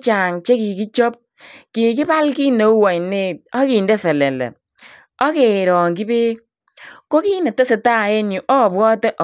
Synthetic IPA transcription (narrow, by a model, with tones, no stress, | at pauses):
t͡ʃa˨ŋt͡ʃe˦ki˨ki˦t͡ʃɔ˦p̚ | ki˨ki˦ba˦lki˦no˨˦wɔ˨jne˦˨t̚ɔ˦ki˨ndɛ˦sɛ˨lɛ˨lɛ̰˨ | ɔ˦ke˨ɾɔ˨ŋɡi˦be˦ | ko˦ki˦ne˨te˦se˨ta˦˨e˦ɲu˨ʔɔ˦˨bwɔ˦tɛ˦ʔ